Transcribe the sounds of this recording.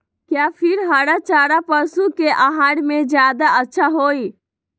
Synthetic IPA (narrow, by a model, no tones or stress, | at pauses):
kjapʰɪɾɦəɽat͡ʃaɾapəɾsukeʔaɦaɽmed͡ʒjad̪aətːʃʰaɦoj